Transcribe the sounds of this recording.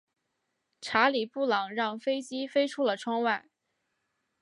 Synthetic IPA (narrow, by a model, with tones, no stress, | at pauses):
ʈ͡ʂʰa˧˥li˨˩pu˥˩lɑ˨˩ŋɻɑ˥˩ŋfe˥ɪt͡ɕi˥fe˥ɪʈ͡ʂʰu˥lə˨ʈ͡ʂʰwɑ˥ŋwa˥˩ɪ